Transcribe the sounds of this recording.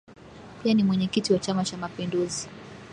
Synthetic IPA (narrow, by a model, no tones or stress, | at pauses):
pianimwɛɲɛkitiwat͡ʃamat͡ʃamapinduzi